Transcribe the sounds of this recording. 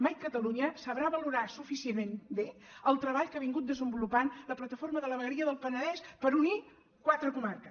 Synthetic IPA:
majkət̪əluɲəsəβɾaβəluɾasufisienmenbe | əlˠt̪ɾəβaʎkaβiŋɡut̪̚d̪əzəmbulupanləplət̪əforməðələβəɣəɾiəðəlˠpənəðɛspəɾuni | kwat̪ɾəkumarkə

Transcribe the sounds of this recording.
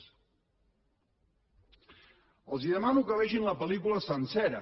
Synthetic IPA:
əlˠziðəmanukəβɛʃinləpəlikuləsənsɛɾə

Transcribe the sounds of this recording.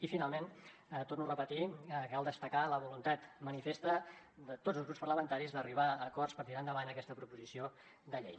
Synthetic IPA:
ifinalˠmen | t̪ornurəpət̪iəkkalˠd̪əst̪əkaləβulunt̪at̪mənifest̪ə | d̪ət̪od͡zzəlzɣɾupspəɾrləmənt̪aɾizðəriβ̞aəkɔrspəɾt̪iɾand̪əβanəkɛst̪əpɾupuzisio | d̪əʎḛj

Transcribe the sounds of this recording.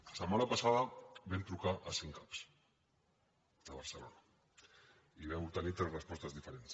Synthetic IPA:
asəmanapasaðabent̪ɾukaʔasiŋkaps | d̪aβa̰ɾsəlo̰na | iβɛmult̪anit̪ɾezrespɔst̪azðifeɾens

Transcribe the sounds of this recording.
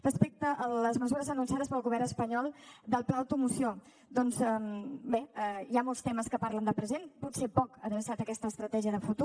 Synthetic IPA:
rəspek̚t̪əʔːləzməzuɾəzənuns̬aðəspəlˠɣuβɛɾnəspəɲɔlˠd̪əlˠplaəwt̪umusio | d̪ɔnzəbeiamolˠst̪ɛməskəpaɾlənd̪əpɾəzenput̪sepɔkəðənsat̪əkɛst̪əːst̪ɾət̪ɛʒiəðəfut̪u

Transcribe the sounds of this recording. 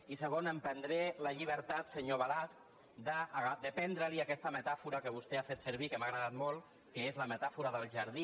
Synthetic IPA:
isəɣ̞onəmpənd̪ɾeləʎiβ̞əɾt̪at̪səɲoβalask | d̪əɣad̪əpɛnd̪ɾəliakɛst̪əmət̪afuɾəkəβust̪eafet̪səɾβ̞ikəmaɣɾəðat̪molˠ | kəezləmət̪afuɾəðəlˠʒəɾði

